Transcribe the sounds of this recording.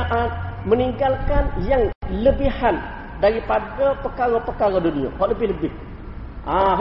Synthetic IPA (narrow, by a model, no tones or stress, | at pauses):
ʔat̪mə̃niŋɡalkanjaŋləbihan | daɾipadapəkaɾapəkaɾadunĩa̰ɦɔʔləbɪhləbɪh | ʔaɦ